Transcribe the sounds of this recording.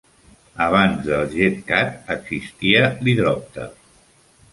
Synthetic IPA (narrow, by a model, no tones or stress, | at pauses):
əβ̞anzðəlˠʒet̪̚kat̪̚əɡz̥ist̪iəliðɾɔp̚t̪ə̰